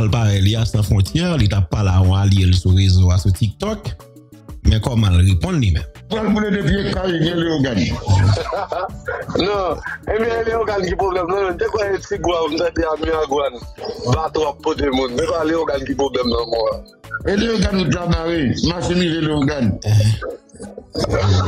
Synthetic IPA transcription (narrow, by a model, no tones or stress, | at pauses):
alpaɣɛliasãfʁɔ̃tjɛʁlit̪apːalaɔ̃aljelsuɣezoasutik̚t̪ɔk | mɛ̃kɔmalɣepɔ̃nlimɛ̃m | palbuledepiekːaibjɛ̃eleoɡan | nɔ̃ebjɛ̃eleoɡankipʁoblɛmnãmɛ̃mt̪ekwɛẽtiɡoapum̩t̪ãd̪eamĩaɡwanbat̪õapːot̪emũnmɛ̃kaleoɡankip̬oblɛmnãmɔ̃a | eleoɡanutabaɣemaʃemiveleoɡanɛɦɛ̃